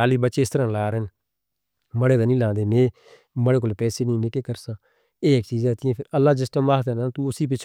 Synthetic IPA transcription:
aːliːbəʃeːɪst̪əɾãːlaːɾn | məɽeːd̪aːnĩːlãːnd̪eːneː | məɽeːk̬olːpɛːseːnĩːnekeːkəɾsãː | eːɪkːt͡ʃiːzɛːt̪ɪẽːpʰɪɾəlːaːd͡ʒɪsʈãːmaːt̪ɛːnaːt̪ũːʊsiːp̬ɪt͡ʃʰ

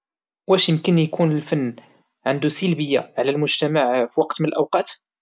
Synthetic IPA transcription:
wæʃjəmkənjkʰunəlfænː | ʕənd̪usəlbəjːaʕlælmʊʒt̪æmaʕfiwɑqt̪mənəlʔæwqɑt̪

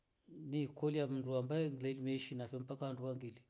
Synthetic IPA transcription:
nikɔlijam̩nduambaɛŋɡilɛlimɛiʃinafɛmpakaanduwaŋɡili

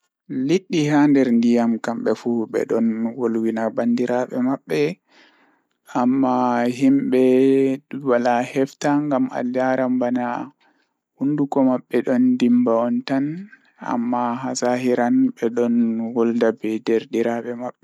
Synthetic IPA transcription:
liɗːihandɛɾndijamkamɓɛfuɓɛ̰ɗɔnwolwinabandiɾaɓɛmaɓːɛ | amːaɦimɓɛ | walahɛftaŋɡama̰ljaɾambana | hundukɔmaɓːɛɗɔndimbaɔntan | a̰mːaɦasaɦiɾanɓɛɗɔnwɔldabɛdɛɾdiɾaɓɛmaɓːɛ

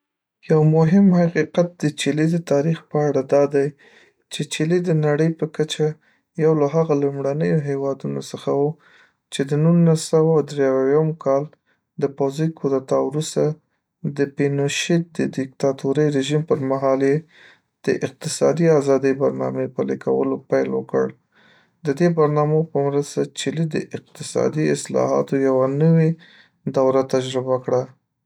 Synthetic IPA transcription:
jawmʊɦɪmhaqiqat̪̚d̪ət͡ʃilid̪ət̪ɑɾixpəaɽad̪ɑd̪aj | t͡ʃet͡ʃeled̪ənaɽəjpəkat͡ʃa | jawlaɦaɣalumɽanəjoɦewɑd̪unosəxawu | t͡ʃed̪ənunasawawd̪ɾeawwjamkʰɑl | d̪əpawzijkʰod̪at̪ɑwɾust̪a | d̪əpenoʃid̪əd̪ɪk̚t̪ɑt̪uɾəjɾeʒimpəɾmaɦɑlje | d̪̥əʔɪq̚t̪ɪsɑd̪iazɑd̪əjbaɾnɑ̰mepəlikawə̰lopajlwəkə̰ɽ | d̪əd̪ebaɾnɑmopəmɾəst̪at͡ʃɪlid̪ə̰ʔɪq̚t̪ɪsɑ̰d̪iɪslɑ̰ɦɑ̰t̪ojawanəwe | d̪awɾat̪ad͡ʒɾɪbakɽa

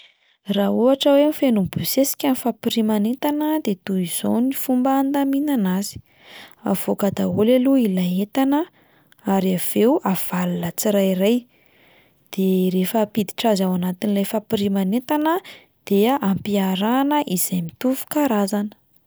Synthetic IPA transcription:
rauaʈ͡ʂəwemifenumbusesi̥kʲanifapiɾimanet̪anəd̪et̪uiz̥onifumbaːnd̪aminanazi̥ | a̰v̥okad̪aolaluilaet̪anə | aɾiav̥ewav̥alulət͡siɾajiraj | d̪̥eɾefəpid̪i̥ʈ͡ʂazawanat̪inilajfapiɾimanet̪anə | d̪̥eʔampiaɾanəʔiz̥ajmit̪uvu̥kaɾazanə̥

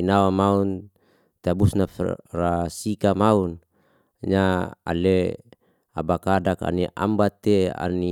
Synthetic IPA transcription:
inawamaun | t̪abusnafrasikamaun | ɲaa̰le | a̰bakadaka̰niʔa̰mbat̪ea̰ni

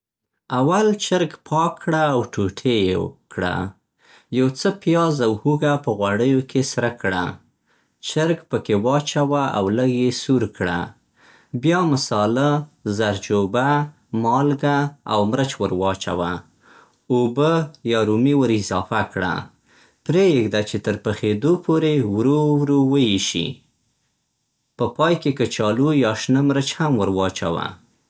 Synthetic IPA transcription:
awalt͡ʃəɾɡpʰɑkʰːɽaːwʈʰuʈʰejekɽa̰ | jawt͡səpjɑzawhuɡapəɣwaɽəjokʰesɾəkɽa̰ | t͡ʃəɾɡpəkewɑt͡ʃawaʔawləɡjesuɾkɽa̰ | bjɑmasɑlazaɾd͡ʒoba | mɑlɡaa̰wmɾət͡ʃwəɾwɑt͡ʃa̰wa | obəjɑɾumiwəɾɪzɑfakɽa̰ | pɾejeɡd̪at͡ʃet̪əɾpəxed̪opʰoɾewɾowɾowəjeʃḭ | pəpɑjkekət͡ʃɑlujɑʃnəmɾət͡ʃhamwəɾwɑt͡ʃa̰wa̰

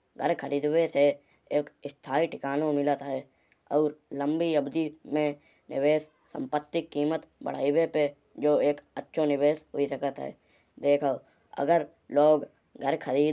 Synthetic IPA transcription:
ɡʱəɾkʰəɾiːd̪wese | eːkɪst̪ʰaːiʈɪkaːnomɪlət̪ɦɛː | ɔːɾlə̃mbiəbd̪imẽ | nɪ̰ʋeːs | sə̰̃mpət̪ːɪkːiːmət̪bə̰ɽ̤a̰ːiwepe | d͡ʒoːeːkətːʃʰonɪweːsɦʊ̰isəkət̪ɦɛ̰ː | d̪eːkʰə | ə̰ɡəɾ | loːɡ | ɡʱəɾkʰəɾiːd̪

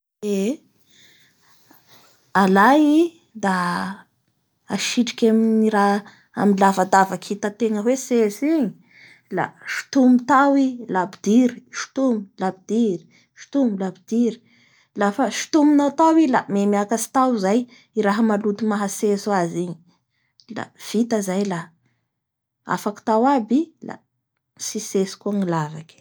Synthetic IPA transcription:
e | alaji | d̪a | aʃiʈ͡ʂi̥kʲaminiɾa | a̰milavad̪avakʰit̪at̪eŋəwesesiɲi | la̰ʃi̥t̪umit̪awilabid̪̥iɾi̥ʃi̥t̪umilabid̪̥iɾi̥ | ʃi̥t̪umilabid̪iɾi̥ | lafaʃi̥t̪uminawt̪awilamemiakasi̥t̪awzaj | iɾaɦəmalut̪imaɦasesaziɲi | la̰v̥it̪əzajla | a̰faki̥t̪awabila̰ | sisesi̥kuaŋilavaki̥

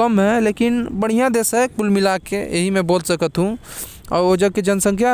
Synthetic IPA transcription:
əmɦɛ̃leːkɪnbəɽ̤ijãd̪eːsɛpʊlmilakːeeɦimẽboːlsəkət̪ɦũ | ɔ̰ːɾod͡ʒəɡ̚ked͡ʒənsə̃ŋkʰja

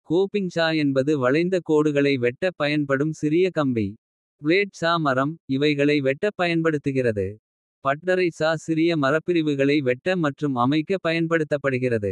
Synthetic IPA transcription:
koːpɪŋsaːɛnbɐðɯʋɐɻɐɪnd̪ɐkoːɽɯɣɐɭɐɪʋɛʈːɐpːɐjɐnpɐɽɯmsɪɾɪjɐkɐmbi | pʊɭeːʈ̚saːmɐɾɐmɪʋɐɪɣɐɭɐɪʋɛʈːɐpːɐjɐnpɐɽɯt̪ːɯɣɪrɐðɯ | pɐʈːɐɾɐɪsaːsɪɾɪjɐmɐɾɐpːɪɾɪʋɯɣɐɭɐɪʋɛʈːɐmɐʈrɯmɐmɐɪkːɐpːɐjɐnpɐɽɯt̪ːɐpːɐɽɯɣɪrɐðɯ̰

